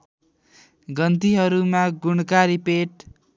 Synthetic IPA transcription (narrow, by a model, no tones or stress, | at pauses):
ɡʌnt̪iɦʌɾumaɡuɽkaɾipeʈ